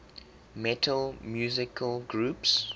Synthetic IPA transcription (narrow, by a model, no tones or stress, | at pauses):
mɛtʰəlmjuːzɪkʰəlˠɡɹuːps